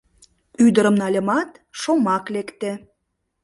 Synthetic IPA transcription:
yd̪əɾəmnɑlʲəmɑt̪ʃomɑklekt̪e

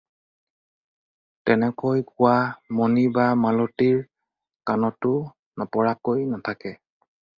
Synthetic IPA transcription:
tɛnɛkojkʊwamonibamalotiɹ | kanɔtʊ | nɔpɔɹakojnatʰakɛ

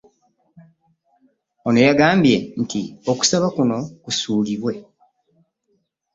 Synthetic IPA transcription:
ono̞jaɡaːmbje̞ntioku̥saβakuno̞kusuːliβwe̞

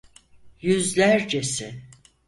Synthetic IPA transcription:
jyzlʲæɾd͡ʒesɪ

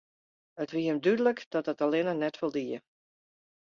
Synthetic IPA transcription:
ətʋiəmdydələkd̥ɔt̚ətalɪnənɛtʋɪlˠdiːə̰

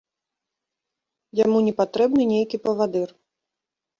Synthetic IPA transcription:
jamunʲɛpat̪ɾɛbnɨnʲejkʲipɐvad̪ɨr

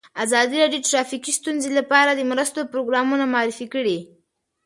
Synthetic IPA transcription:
azɑd̪iɾɑɖjoʈɾɑfikist̪unzelapɑɾad̪əmɾəst̪opɾoɡɾɑmunamɑɾifikəɽi

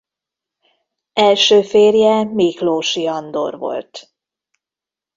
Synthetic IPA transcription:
ɛlʃøːfeːrjɛmiːkloːʃiɒnd̪o̞̰rvo̞̰lt̪

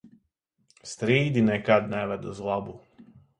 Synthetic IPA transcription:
st̪ɾiːd̪inɛkad̪nɛʋɛd̪uzlˠabu

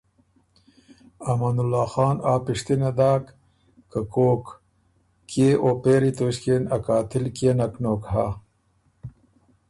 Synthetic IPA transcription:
ɐmanulːaːxɑːnaːpiʂt̪inɐd̪aːk | kəkoːk | kːeːʔoːpeːɾit̪oɕkenɐkaːt̪ɪlkenɐknoːkhaː

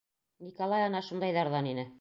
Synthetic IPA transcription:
nʲikolˠɑjɑnɑʃund̪ɑjðɑɾðɑninɘ

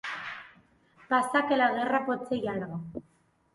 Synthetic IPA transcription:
pasakelaɣerapot͡sejaɾɣa

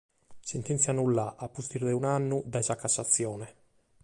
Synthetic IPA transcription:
sɛnt̪ɛnt̪sjanulːaʔapːust̪iɾd̪ɛunanːud̪ajzakːasːat̪sːjɔːnɛ

